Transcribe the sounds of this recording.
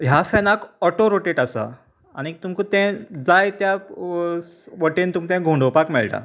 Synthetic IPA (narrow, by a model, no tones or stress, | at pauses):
ɦjafɛnakɔʈoɾoʈeʈasa̰ | anit̪umkut̪ɛ̃d͡zajt̪ja | ʋəʈent̪umt̪ɛ̃ɡʱuɳɖopakmɛɭʈa̰